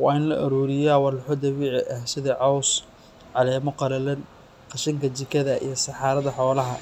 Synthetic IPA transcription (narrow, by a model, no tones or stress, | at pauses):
wɑːɪnlɐʔɐɾuːɾɪjaːwɑlʊħʊd̪ɐβiːʕɪʔɐhsɪðɐʕɑws | ʕɑlɛːmɔqɑɾɐlɛn | qɑʃɪŋkʰɐt͡ʃɪkʰɐðɐʔḭjɐsɑħɑːɾɐðɐħɔːlɐɦɐ